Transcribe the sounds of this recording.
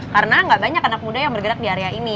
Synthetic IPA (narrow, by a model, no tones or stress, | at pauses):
karənaŋɡaʔbaɲakanak̚mudajaŋbərɡəɾak̚diaɾeaini